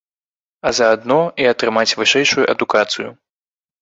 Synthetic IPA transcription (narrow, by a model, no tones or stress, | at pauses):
ɐzɐːd̪nɔiɐt̪ɾɨmat͡sʲvɨʂɛjʂujuʔɐd̪ukat̪sɨjṵ